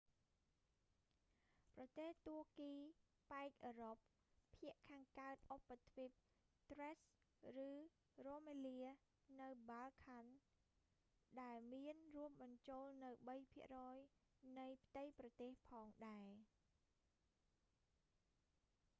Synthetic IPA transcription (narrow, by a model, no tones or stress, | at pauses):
prɑt̪eːht̪uəkiːpaɛk̚ʔəːɾop̚ʰː | iəʔkʰaːŋkaət̪̚ʔopːat̪ʰʋip̚ | t̪rɛs | rɨː | roːmeliə | nɨwɓalkʰan | ɗaɛlmiənruəp̚ɓɑɲt͡ɕoːlnɨwɓəjpʰiəʔrɔːjnɨjpʰət̪ɨjprɑt̪eːhpʰɑːŋɗaɛ